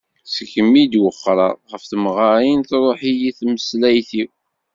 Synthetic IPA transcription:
səkəmːid̪wəχːɾˤɑ̰ˤʁəfθəmʁɑɾinθɾˤoħijiθməslæjθiw

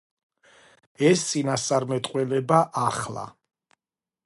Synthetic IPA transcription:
ɛst̪sʼinassʼaɾmɛt̪ʼqʼwɛlɛbaʔaχla̰

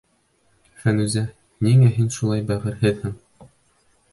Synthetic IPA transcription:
fænʉzæ | niŋæɦinʃulˠɑjbæʁɘ̆ɾhɘðhɘŋ

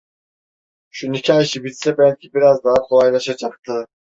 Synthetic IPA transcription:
ʃunikʲiɑjʃibit̪sebælʲkʲibiɾɑzd̪ɑɯqʰolˠɑjlˠɑʃɯd͡ʒɑqt̪ɯ

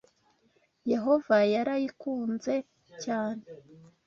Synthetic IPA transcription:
je̞ɦo̞vajaɾajikuːnze̞ | caːne

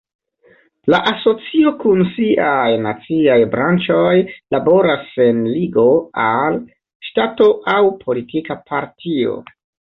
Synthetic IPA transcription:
laʔaso̞t͡sio̞kunsiʔajnat͡siajbɾant͡ʃo̞jlabo̞ɾase̞nliɡo̞al | ʃtato̞ʔawpʰo̞litikapʰaɾtʰio̰

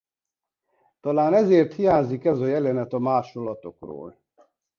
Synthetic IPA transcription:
t̪ɒlaːnɛzeːrt̪hijaːɲzikɛzɒjɛlɛnɛt̪ɒmaːʃo̞lːɒt̪o̞kro̰ːl

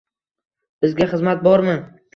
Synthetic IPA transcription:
b̥ɪzɡʲaχɨzmat̪̚bɒɾmɪ

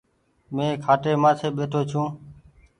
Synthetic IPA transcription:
mẽːkʰaːʈeːmãːsʰeːɓeːʈʰoːt͡ʃʰũː

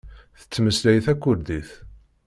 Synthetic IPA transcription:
θə̥t͡sːməslæjθækʷːʊɾd̪iθ

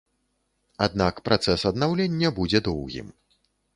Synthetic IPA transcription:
ad̪nakpɾʔat̪sɛsɐd̪nawlʲenʲːɐbud͡zʲɛd̪ɔwɣʲḭm

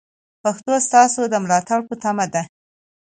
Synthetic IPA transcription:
paxt̪ost̪ɑsod̪əmlɑt̪aɽpət̪amad̪a

